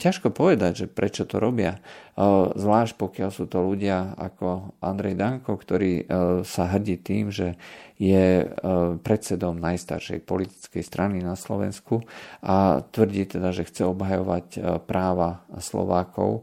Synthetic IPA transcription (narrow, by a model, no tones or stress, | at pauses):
caʃkɔpɔʋɛd̪aɟʒɛpɾɛt͡ʃɔt̪ɔ̰ɾɔbɪa | zʋlaːʃc̚pɔkɪalsuːt̪ɔluɟɪaa̰kɔʔa̰nd̪ɾɛjd̪aŋkɔkt̪ɔɾiːsaɦr̩ɟiːt̪iːmʒɛjɛ | pɾɛt̪t͡sɛd̪ɔmnajst̪a̰ɾʃɛ̰jpɔlit̪i̥t͡skɛjst̪ɾʔaninaslɔʋɛ̰nskuat̪ʋr̩ɟit̪ɛd̪aʒɛxt͡sɛɔbɦajɔʋacpɾaːʋaslɔ̰ʋaːkɔ̰ʊ